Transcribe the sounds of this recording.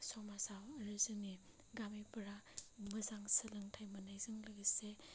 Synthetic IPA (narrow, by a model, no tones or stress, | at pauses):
sɔmasawɾɯzɯni | ɡamipɐɾamɐzaŋsɐlɯŋtʰajmɐnajzɯŋlɐɡise